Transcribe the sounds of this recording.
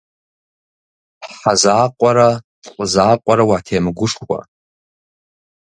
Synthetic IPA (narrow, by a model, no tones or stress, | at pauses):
ħazaːqʷʼaɾa | qʷʼzaːqʷʼaɾawatʰejmɡʷʊʂχwʷa̰